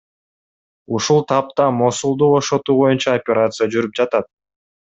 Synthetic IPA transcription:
uʃulˠt̪ʰɑp̚t̪ɑmo̞sulˠd̪ubo̞ʃo̞t̪uːbo̞junt͡ʃɑopʲeɾat̪sɨjad͡ʒyɾyp̚d͡ʒɑt̪ɑt̪̚

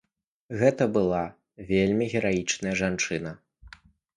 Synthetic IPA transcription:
ɣɛt̪ɐbɨlˠa | vʲelʲmʲiɣʲɛɾajit͡ʂnɐjɐʐant͡ʂɨnɐ

